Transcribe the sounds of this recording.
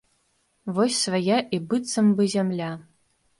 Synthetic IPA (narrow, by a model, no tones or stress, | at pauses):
vɔsʲsvajaʔibɨt̪sɐmbɨzʲamlʲa